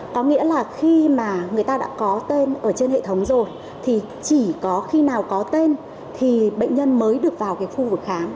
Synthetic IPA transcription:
kɔ˨˦ŋḭ˧˥əlaː˨˩xi˧maː˨˩ŋɨ˨˩əjt̪aː˧ɗa̰ː˧˥kɔ˨˦t̪e˧nʔəː˧˩t͡ɕe˧nhḛ˧˨t̪ʰə˨˦wŋ͡mzo˨˩j | t̪ʰi˨˩ | t͡ɕi˧˩kɔ˨˦xi˧naː˨˩wkɔ˨˦t̪e˧n | t̪ʰi˨˩ɓə̰˧˨ŋ̟ɲə˧nməː˨˦jɗɨ˨˩ək̚vaː˨˩wkaː˨˦jxu˧vɨ˨˩k̚xaː˨˦n

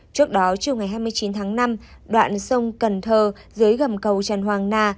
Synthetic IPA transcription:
t͡ɕɨ˦˥ək̚ɗɔ˨˦t͡ɕi˨˩əŋa˨˩jɦaː˧jmɨ˧əjt͡ɕi˨˦nt̪ʰaː˨˦ŋna˧m | ɗwa̰ː˧˨nsə˧wŋ͡mkə˨˩nt̪ʰəː˨˩ | zɨ˨˦jɣə˨˩mkə˨˩wt͡ɕa˨˩nɦwaː˨˩ŋnaː˧˩

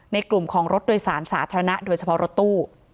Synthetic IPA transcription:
na˧jklu˨˩mkʰɔː˩˦ŋɾo˦˥t̪̚doː˨˧jsaː˩˦nsaː˩˦t̪ʰaː˧ɾa˧na˦˥ʔdoː˧jt͡ɕʰa˧pʰɔ˦˥ɾo˦˥t̪ːuː˥˩

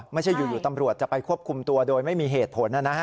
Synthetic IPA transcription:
ma˥˩jt͡ɕʰa˥˩jːuː˨˩juː˨˩t̪a˧mɾu˨˩ət̪̚t͡ɕa˨˩pa˧jkʰu˥˩əp̚kʰu˧mt̪u˧ɐdoː˧jma˥˩jmiː˧ɦeː˨˩t̪̚pʰo˩˦nʔa˨˩na˦˥

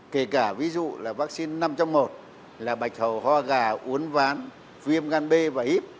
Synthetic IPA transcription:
ke˧˩kaː˧˩vi˨˦zṵ˧˨laː˨˩vaː˦˥k̚si˧nːa˧mt͡ɕɔ˧wŋ͡mmo˨˩t̚ | laː˨˩ɓa˨˩jk̟̚hə˨˩whwaː˧ɣaː˨˩ʔu˨˦ənvaː˨˦n | vi˧əmɣaː˧nɓe˧vaː˨˩ʔi˦˥p̚

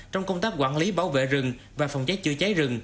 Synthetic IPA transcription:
t͡ɕwŋ͡mkə˧wŋ͡mt̪aː˦˥k̚kwa̰ː˧˥˨nli˨˦ɓaː˧˩wvḛ˧˨zɨ˨˩ŋ | vaː˨˩fə˨˩wŋ͡mt͡ɕə˨˦˥t͡ɕɨ˧ət͡ɕe˨˦zɨ˨˩ŋ

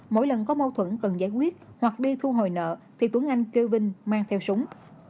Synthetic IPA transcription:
mo̰˧˥jlə˨˩nkɔ˨˦mo˧t̪ʰwə˧˩nkə˨˩nzaː˧˦jkwi˦˥ət̚hwa˨˩k̚ɗi˧t̪ʰu˧ɦo˨˩jnə̰ː˧˨t̪ʰi˨˩t̪u˨˦əŋʔa˧jŋ̟ki˧wvï˧ŋ̟maː˧ŋt̪ʰɛ˧wsʊ˨˦wŋ͡m

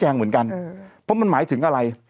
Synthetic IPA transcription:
t͡ɕaː˧ŋmḭ˨˦ŋka˧ŋfɔ˨˦mi˧nmaː˨˦jt̪ʰɨ˨˦ŋkaː˧la˧˩j

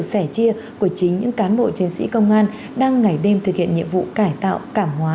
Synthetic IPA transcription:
k̚sɛ˧˩t͡ɕi˧ə | ku˧˩ət͡ɕï˨˦ŋɲɨ̰˧˥ŋkaː˨˦nɓo̰˧˨t͡ɕi˨˦nsḭ˧˥kə˧wŋ͡mʔaː˧n | ɗaː˧ŋːa˨˩jɗe˧mt̪ɨ˨˩k̚hḭ˧˨ənɲḭ˧˨ənvṵ˧˨kaː˧˩jt̪a̰ː˧˨wkaː˧˩mɦwaː˨˦

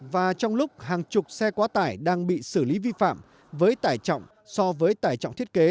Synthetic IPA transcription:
vaː˨˩t͡ɕɔ˧wŋ͡mlʊ˦˥k͡p̚haː˨˩ŋt͡ɕʊ˨˩k͡p̚sɛ˧kwaː˨˦t̪aː˧˩jɗaː˧ŋɓḭ˧˨sɨ˧˩li˨˦vi˧fa̰ː˧˨m | vəː˨˦jt̪aː˧˩jt͡ɕɔ̰˧˨wŋ͡m | sɔ˧vəː˨˦jt̪aː˧˩jt͡ɕɔ̰˧˨wŋ͡mt̪ʰi˦˥t̚ke˨˦

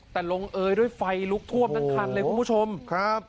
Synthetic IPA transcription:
t̪ɛː˨˩lo˧ŋʔɤː˧jdu˥˩əjfa˧jlu˦˥k̚t̪ʰu˥˩əm̚na˦˧˥ŋkʰa˧˩nlɤː˧kuː˧bʰu˥˩t͡ɕʰo˧mkʰa˦˥p̚

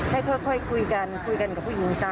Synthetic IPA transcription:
ha˥˩jkʰɔː˥˩jkʰɔ˥˩jkʰu˧jka˧nkʰu˧jka˧nka˨˩p̚ʰuː˥˩ji˨˩˦ŋsa˧˥˩

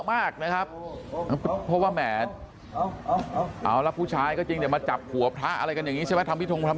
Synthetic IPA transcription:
maː˥˩k̚na˦˥kʰa˦˥p̚a˦˥pʰɔ˦˥waː˥˩mɛː˩˦ | ʔa̰ː˨˦˩wla˦˥pʰuː˥˩t͡ɕʰaː˦˥jkɔː˥˩t͡ɕi˧ŋd̪ma˧t͡ɕa˨˩p̚ʰːu˨˩˦əp̚ʰtʰa˦˥ʔa̰˧ɾa˧jka˧nja˨˩ŋi˦t͡ɕʰa˥˩mɛ˦˥t̪ʰa˧mpʰiː˥˩o˧ŋt̪ʰm

